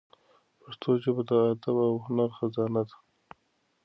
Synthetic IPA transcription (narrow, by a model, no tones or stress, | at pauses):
paʂt̪ʰod͡ʒebad̪əːd̪abawhʊnaɾxazɑːnad̪ḁ